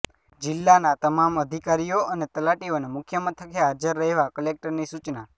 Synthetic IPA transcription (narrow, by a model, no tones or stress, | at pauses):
d͡ʒɪlːanat̪əmaməd̪ʱikaɾijoənet̪əlaʈionemʊkʰjəmət̪ʰəkʰeɦad͡ʒəɾːəɦeʋakəlek̚ʈəɾnisut͡ʃna